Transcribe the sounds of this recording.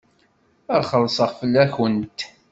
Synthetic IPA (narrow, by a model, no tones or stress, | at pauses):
æχəlːsəʁfəlːæçənt̪